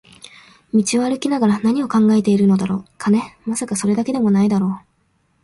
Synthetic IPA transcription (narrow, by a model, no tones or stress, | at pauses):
mʲit͡ɕiβaɾɯ̟kʲinaɡaɾanaɲ̟io̞kãŋɡae̞t̪e̞iɾɯ̟no̞d̪aɾo̞ːkʰane̞masakaso̞ɾe̞d̪ake̞d̪e̞mo̞naid̪aɾo̞ː